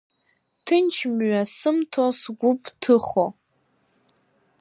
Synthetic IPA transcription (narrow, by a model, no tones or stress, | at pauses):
tʰɨnt͡ʃʰmɥasɨmtʰosɡʷʊpʰʼtʰɨχo